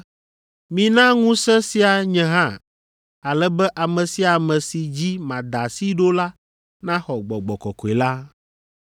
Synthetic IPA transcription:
mĩ˨nã˦ŋũ˦sɛ̃˦si˦a˨ɲɛ̃˨ɦã˦ | a˨lɛ˦bɛ˦ʔa˨mɛ̃˨si˨a˨mɛ̃˨si˨d͡ʑi˦mã˨d̪a˨si˦ɖo˦la˦ | nã˦xɔ˨ɡ͡bɔ˨ɡ͡bɔ˨kɔ̰˨kɔ˨e˨la˦

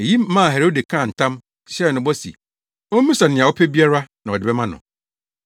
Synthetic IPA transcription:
e˨ji˦m̩˦mã˦˨ɦe˨ɾo˦de˨kʰãː˦˨n̩˨tʰã˦m | ɕɛ˦˨nʊ̃˨bɔ˦sḭ˨ | o˦m̩˦mĩ˦sa˨nɪ̃˨a˨ɔ˦pʰɛ˦bi˦a˦ɾa˦nã˨ɔ˨dɪ˨bɛ˦mã˦nʊ̰̃˨

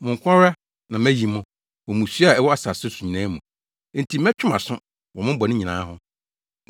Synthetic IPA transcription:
mʊ̃˨ŋ̩˨kʷʰã˦ɾa˦ | nã˨mæ˦ji˨mʊ̃˦ | wɔ̃˨mũ˨su˦a˨ɛ˦wɔ˦a˦sa˨sʊ˦su˨ɲĩ˨nãː˦mũ˨˦ | n̩˨tʰi˨mɛ̃˦t͡ɕʰᶣʊ˦mã˨sʊ̃˦ | wɔ˨mʊ̃˦bɔ˨nɪ̃˦ɲĩ˨nã̰ː˨˦ɦʊ̃˦

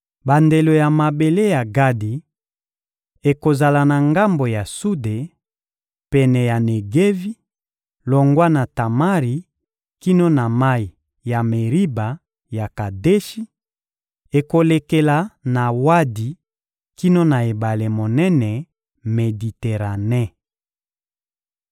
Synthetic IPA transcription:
ba˨nde˨lo˨ja˨ma˨be˨le˦ja˨ɡa˦di˨ | e˨ko˨za˨la˨na˨ŋɡa˦mbo˨ja˨su˦de˨ | pɛ˨nɛ˨ja˨ne˨ɡe˦vi˦ | lo˨ŋɡwa˦na˨ta˨ma˦ʁi˨ | ki˦no˦na˨ma˦i˨ | ja˨me˨ʁi˦ba˨ | ja˨ka˨de˦ʃi˦ | e˨ko˨le˨ke˨la˨na˨wa˦di˨ | ki˦no˦na˨e˨ba˨le˨mo˨nɛ˦nɛ˨ | me˨di˨te˨ʁa˨nɛ˦

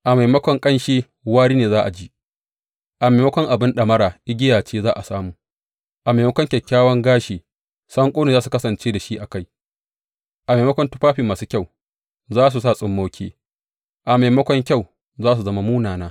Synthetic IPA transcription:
ʔa˨ma˨jmɐ˦kʷɔ˦ŋkʼɐ˦nʃeː˦ | waː˦ɽiː˦neː˨zaː˦ʔa˨d͡ʒiː˦ | ʔa˨ma˨jmɐ˦kʷɔ˦ŋʔa˨bɪ˦nɗɐ˨mɐ˦ɾaː˨ʔɪ˦ɡʲɪ˦jaː˨t͡ʃeː˦zaː˦ʔa˨saː˦muː˨ | ʔa˨ma˨mɐ˦kʷɔ˦ŋkʲɛ˨kʲːaː˦wɐ˦ŋɡaː˦ʃeː˨ | sɐ˦ŋkʷʼoː˦neː˨zaː˦s̬u˨kɐ˦sɐ˨nt͡ʃeː˦da˨ʃi˦ʔa˨ka˦˨j | ʔa˨ma˨mɐ˦kʷɔ˦ntʊ˦ɸaː˦ɸiː˨maː˨su˦kʲa˦˨w | zaː˦s̬u˨s̬a˦˨sʼɪ˦mːa˦wkʲʰḛː˦ | ʔa˨ma˨jmɐ˦kʷɔ˦ŋkʲa˦˨w | zaː˦s̬u˨zɐ˦ma˦muː˦naː˨naː˦

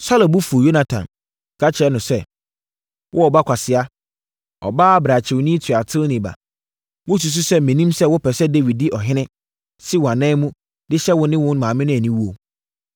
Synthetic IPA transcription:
sa˦lo˨bu˦fu˨jo˦na˨tʰã̰˨n˨ | kʰa˦t͡ɕʰɪ˨ɛ˦nʊ̃˨sɛ˦ | wʔʊ˦ɔ˨ba˦kʷʰa˨sɪ˨a˦ | ɔ̰˨baː˦a˦bɾa˨t͡ɕʰɪ˨wnĩ˦tʰɥa˨tʰɪ˦nɪ̃˨ba̰˨ | wʊ˦s̬u˨s̬ʊ˦sɛ˦mɛ̃˨nĩ˦msɛ˦wʊ˦pʰɛ˨sɛ˦de˦wi˨d̚di˦ʔɔ˨ɦɪ̃˦nɪ̃˦ | si˦wã˨nãː˦mũ˦ | dɪ˦ɕɛ˦wʊ˦nɪ̃˦wʊ̃˦n˦mãː˨mɪ̃˦nʊ̃˦æ˨nĩ˦wu˦o˨

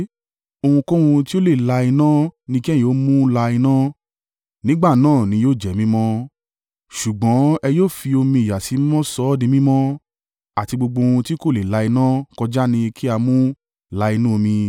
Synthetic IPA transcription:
o˧hũ˧kõ˦ũ˧ti˦o˦le˦˨la˧i˧nã˦nĩ˧ki˦˨ĩ˨˦o˨˦mũ˦la˧i˧nã˦ | nĩ˦ɡ͡ba˦˨nãː˦˨nĩ˨˧˦joː˦˨d͡ʒɛ˨mĩ˦mɔ̃˦ | ʃu˨ɡ͡bɔ̃˨˦ɛ˧joː˦˨fi˧o˧mĩ˧i˨ja˨si˨˦mɔ̃˦sɔ˦dĩ˧mĩ˦mɔ̃˦ | a˨ti˧ɡ͡bo˧ɡ͡bõ˧ũ˧ti˦ko˦˨le˨la˧i˧nã˦kɔ˧d͡ʒa˦nĩ˧kʰi˦a˧mũ˦ | la˧i˧nũ˦o˧mĩ˧

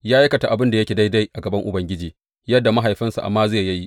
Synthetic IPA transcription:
jaː˦ja˦kɐ˨ta˨ʔa˨bɪ˦nda˨jɐ˦kʲe˨da˦jda˦jʔa˨ɡɐ˨bɐ˦ŋʔʊ̰˨bɐ˦ŋɡʲɪ˦d͡ʒiː˨ | jɐ˦dːa˨ma˦ɦa˨jɸɪ˦nsṵ˨ʔa̰˨mːaː˦zeː˦˨jjɐ˦ji˦ʔ

